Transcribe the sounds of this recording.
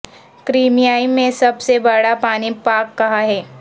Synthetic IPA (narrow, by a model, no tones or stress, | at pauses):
kɾiːmijaːimẽsɐbsebəɽapaːnipaːkːɐɦaɦɛː